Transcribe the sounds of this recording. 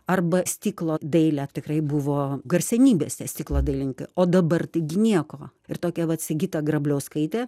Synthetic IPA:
ɐrbɐsʲt̪ʲiːklˠoːd̪ɐɪlʲætʲɪkrɐɪbʊʋoːɡɐrʲsʲɛnʲiːbʲeːsʲt̪ʲɛsʲt̪ʲiːklˠoːd̪ɐɪlʲɪnʲkɐɪoːd̪ɐbɐrt̪ɐɪɡʲɪnʲiɛkoː | ɪrt̪oːkʲɛʋɐt̪ʲsʲɪɡʲiːt̪ɐɡrɐbʲlʲɛʊskɐɪt̪ʲɛː

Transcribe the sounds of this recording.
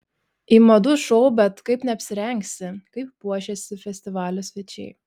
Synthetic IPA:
iːmɐd̪ʊʃɔʊbʲɛt̪kɐɪpnʲɛɐpʲsʲɪɾʲɛŋʲksʲɪkɐɪppuɔʃʲɛsʲɪfʲɛsʲt̪ʲɪʋɑːlʲʊsʲʋʲɛt͡ʃʲɛ̰ɪ

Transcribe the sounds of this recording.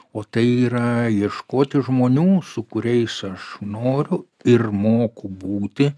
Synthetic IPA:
oːt̪ɐɪiːɾɐjiɛʃkoːt̪ʲɪʒmoːnʲuːsʊkʊɾʲɛɪsɐʃnoːɾʲʊ | ɪrmoːkʊbuːt̪ʲɪ

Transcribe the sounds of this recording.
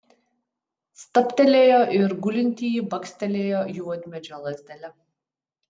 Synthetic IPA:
st̪ɐpʲt̪ʲɛlʲeːjoːʔɪɾɡʊlʲɪnʲt̪ʲiːjibɐksʲt̪ʲɛlʲeːjoːjuɔd̪ʲmʲɛd͡ʒʲɔlˠɐzʲd̪ʲɛlʲɛ

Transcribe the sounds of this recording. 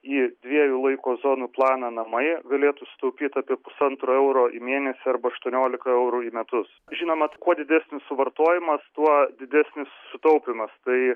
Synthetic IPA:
iːd̪ʲʋʲiɛjuːlˠɐɪkoːzoːnuːplˠɑːnɑnɐmɐɪɡɐlʲeːt̪usʲɪ̥t̪ɐʊpʲiːt̪ɑːpʲiɛpʊsɐnt̪ɾoːɛʊɾoːʔḭmʲeːnʲɛsʲɪɐɾbɐɐʃt̪uɔnʲoːlʲɪkɐɛʊɾuːiːmʲɛt̪ʊs | ʒʲiːnoːmɐkuɔd̪ʲɪd̪ʲæsʲnʲɪssʊʋɐrt̪oːjɪmɐst̪uɔdʲɪd̪ʲæsʲnʲɪssʊt̪ɐʊpʲɪmɐst̪ɐɪ

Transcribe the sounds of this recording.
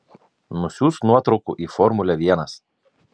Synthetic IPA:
nʊsʲuːst̪nuɔt̪ɾɔʊkṵʔiːfɔɾmʊlʲɛʋʲiɛnɐs

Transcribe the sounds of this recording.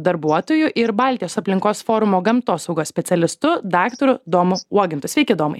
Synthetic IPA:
d̪ɐɾbuɔt̪oːjʊʔɪɾbɑːlʲt̪ʲɪjoːsɐpʲlʲɪŋkoːsfoːɾʊmoːɡɐmt̪oːsɐʊɡoːsʲpʲɛt̪sʲɛlʲɪst̪ʊd̪ɑːkt̪oɾʊd̪oːmʊuɔɡʲɪnt̪ʊsʋʲɛɪkʲɪːd̪oːmɐɪ

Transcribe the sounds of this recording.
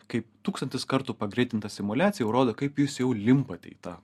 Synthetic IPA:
kɐɪpt̪uːkst̪ɐnʲt̪ʲɪskɐɾt̪ʊpɐɡɾʲɛɪt̪ʲɪnt̪ɐsʲɪmʊlʲæːt̪sʲɪjɛʊɾoːd̪oːkɐɪpjʊsjɛʊlʲɪmpɐt̪ʲɛ̰ɪt̪ɑː

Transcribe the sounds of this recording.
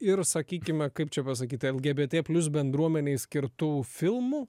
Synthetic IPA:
ɪɾsɐkʲiːkʲɪmʲɛkɐɪp̚t͡ʃʲɛpɐs̬ɐkʲiːt̪ʲɛlʲˠɡʲeːbʲeːt̪ʲeːpʲlʲʊs̬bʲɛnd̪ɾuɔmʲɛnʲeɪsʲkʲɪɾt̪ʊfʲɪlˠmuː

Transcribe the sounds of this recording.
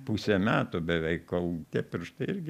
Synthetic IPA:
pusʲeːmʲæːt̪oːbʲɛʋʲɛɪkkoʊt̪ʲɛpɪrʃt̪ɐɪɪɾʲɡʲɪ

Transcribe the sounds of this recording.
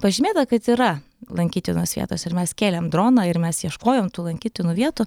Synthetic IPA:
pɐʒʲɪmʲeːt̪ɐkɐt̪iːɾɐ | lˠɐŋʲkʲiːt̪ʲɪnoːsʋʲḭɛt̪oːsɪɾmʲɛskʲeːlʲɛmd̪ɾoːnɐɪɾmʲɛsjiɛʃkoːjoːmt̪uːlˠɐŋʲkʲiːt̪ʲɪnuːʋʲiɛt̪ʊ

